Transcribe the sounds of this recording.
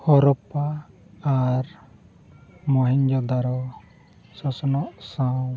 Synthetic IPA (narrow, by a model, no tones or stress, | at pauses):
hɔɾɔpaː | ɾ | mɔɦiɲd͡ʒɔd̪aɾɔ | sɔsɔnɔʔsãw